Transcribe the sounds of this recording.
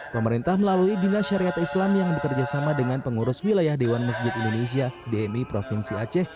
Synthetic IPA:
pəməɾint̪ahməlaluidinaʃaɾiat̪islamjaŋbəkərd͡ʒasamadəŋanpəŋuɾʊswilajahdewanməs̬d͡ʒɪt̪indones̬iadeɛmipɾofinsiat͡ʃɛh

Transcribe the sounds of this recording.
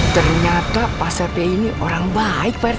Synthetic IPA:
t̪ərɲat̪apasapeiniʔoɾaŋbaɪk̚par

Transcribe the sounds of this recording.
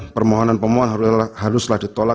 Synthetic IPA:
pərmoɦɔnanpəmɔɦɔnɦahaɾʊslahdit̪ola

